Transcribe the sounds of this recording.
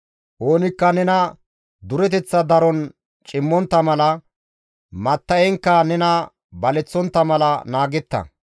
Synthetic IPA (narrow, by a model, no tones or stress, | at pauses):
ʔo̞ːnɪkːɐnɛnɐ | d̪ʊɾɛt̪ɛt͡sːɐd̪ɐɾɔn | t͡ʃʼɪmːɔnt̪ːɐmɐlɐ | mɐt̪ːɐjɛŋkːɐnɛnɐ | bɐlɛt͡sːɔnt̪ːɐmɐlɐnaːɡɛt̪ːɐ̰